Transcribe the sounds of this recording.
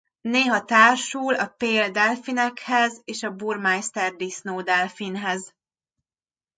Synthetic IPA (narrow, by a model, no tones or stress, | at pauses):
neːɦɒt̪aːrʃuːlɒpeːld̪ɛlfinɛkhɛzeːʃɒbuːrmajst̪ɛrd̪isnoːd̪ɛlfinɦɛz